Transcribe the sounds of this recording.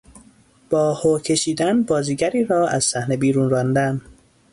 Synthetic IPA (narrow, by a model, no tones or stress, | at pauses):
b̥ɒːhoːcʰe̞ʃiːd̪ænbɒːziːɟæɾiːɾɒːæz̥sæhnebiːɾuːnrɒːnd̪æn